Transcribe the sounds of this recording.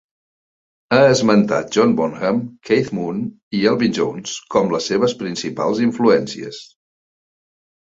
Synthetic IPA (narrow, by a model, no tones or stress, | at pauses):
aəzmənt̪a̰t̪̚ʒ̥ɔnbɔnɣəmkʰejt̪mun | iɛlˠβind͡ʒo̰wnskɔmləsːeβ̞əspɾinsipa̰lˠziɱfluɛnsiə̰s